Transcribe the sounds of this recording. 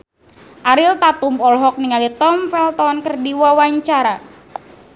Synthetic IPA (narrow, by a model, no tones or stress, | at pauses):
ʔaɾilt̪at̪umɔlɦɔk̚niŋalit̪ɔmfɛlt̪ɔnkərdiwawaɲt͡ʃaɾa